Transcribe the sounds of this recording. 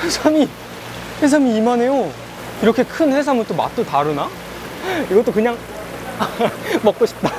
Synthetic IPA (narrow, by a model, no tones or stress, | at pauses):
hesʰami | he̞s̬ʰamiimane̞jo | iɾʌkʰe̞kʰɯnhe̞s̬ʰamɯt͈oma̰t͈otaɾɯna | iɡʌt͈okɯɲaŋ | mʌk̚k͈oɕʰi̥p̚t͈a